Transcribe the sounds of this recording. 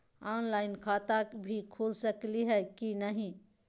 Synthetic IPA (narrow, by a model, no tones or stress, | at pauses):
anlaɪnkʰat̪akbʱikʰulsəkliɦɛkinəɦĩ